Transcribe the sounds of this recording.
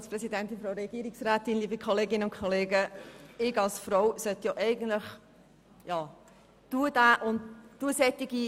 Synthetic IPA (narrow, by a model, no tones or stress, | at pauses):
ɑspɾɛsidɛntɪnfɾɔʊɾɛɡ̥iːɾiksræːt̪ɪnliːbəkʰɔleːɡɪnəʊnkʰɔleːɡəɪɡɑlsfɾoʊsœt̪jɔːʔɛɪɡən̩tləχ | jɑː | d̪̥uːəd̥aːʔʊntd̥uəsɛt̪ːiɡi